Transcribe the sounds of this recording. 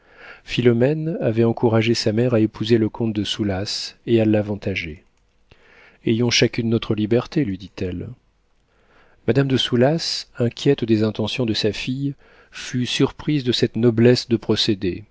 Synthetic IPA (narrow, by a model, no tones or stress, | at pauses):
filɔmɛnavɛɑ̃kuʁaʒesamɛʁaepʰuzeləkɔ̃t̪̚d̪əsulasealːavɑ̃t̪aʒe | ejɔ̃ʃakʲynːot̪χəlibɛʁt̪elɥid̪it̪ɛl | mad̪amd̪əsulasɛ̃kʲjɛt̪d̪ezɛ̃t̪ɑ̃sjɔ̃d̪əsafij | fysyʁpχizd̪əsɛt̪nɔblɛsd̪əpχɔsed̪e